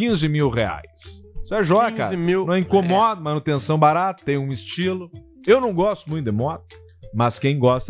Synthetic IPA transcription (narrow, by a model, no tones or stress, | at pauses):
kĩzɪmiwʁea̰jssɛʒɔɡɐkkaɾmiw̪ɐ̃ɛĩkomɔd̪ɐmɐnut̪ẽsɐ̃w̃baɾat̪ʊ̥t̪ẽj̃ũɪst͡ʃilʊ | ewnɐ̃w̃ɡɔst̪ʊmũj̃t̪ʊd̪emɔd̪ɐ | mɐskẽj̃ɡɔst̪ɐ